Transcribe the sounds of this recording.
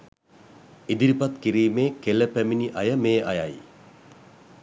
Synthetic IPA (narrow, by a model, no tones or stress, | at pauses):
id̪iɾipat̪kiɾiːmeːkeləpæminiʔɐjəmeːʔa̰ja̰j